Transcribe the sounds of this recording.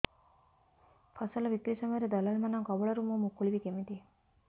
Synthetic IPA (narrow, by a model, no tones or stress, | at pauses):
fɐsɐlɐʋik̪ɾisɐmeɾed̪ɐlɐlmɐnaŋkɔboɭɐɾumumukːuɭiʋikemid̪i